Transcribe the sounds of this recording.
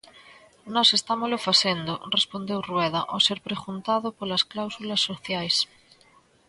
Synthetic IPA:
nɔsest̪amozlofaθend̪orespond̪ewrweð̞aʔoseɾpɾeɣunt̪aðopolasklawsulasːoθjajs

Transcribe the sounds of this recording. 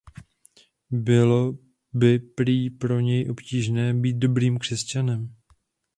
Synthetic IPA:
bɪlo̞ | bɪpɾiːpɾo̞ɲɛjʔo̞pciːʒnɛːbiːt̪̚do̞bɾiːmkr̥ɛscanɛm

